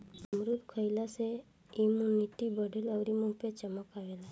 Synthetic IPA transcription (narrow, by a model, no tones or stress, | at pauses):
əmɾud̪kʰəjlase | imunit̪ibəɖeləʋɾimũupjat͡ʃəməkaʋela